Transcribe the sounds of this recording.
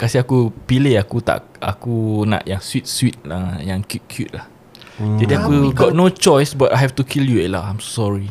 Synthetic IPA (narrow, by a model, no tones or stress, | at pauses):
kasiakupilehakut̪a̰ʔʔa̰kunã̰ʔjãŋswit̪̚swit̪̚ajãŋkjut̚kʰjut̚lah | d͡ʒadiakuɡɔt̚not͡ʃɔjsbatajɦɛftukʰiljuelaãjmsɔɹi